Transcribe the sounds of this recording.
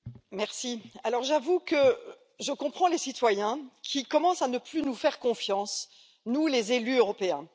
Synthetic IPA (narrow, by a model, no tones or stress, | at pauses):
mɛʁsialɔʁʒavukə | ʒəkɔ̃pχɑ̃lesit̪wajɛ̃kʲʰikɔmɑ̃sanəplynufɛʁkɔ̃fjɑ̃s | nulezelyøʁɔpeɛ̃